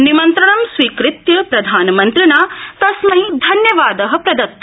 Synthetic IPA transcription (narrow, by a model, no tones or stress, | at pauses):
nimɐnt̪ɾɐɳɐmsʋiːkɾɪt̪jɐpɾɐd̪ʱaːnɐmɐnt̪ɾinaːt̪ɐsmɐid̪ʱɐnjɐʋaːd̪ɐɦɐpɾɐd̪ɐt̪ːɐ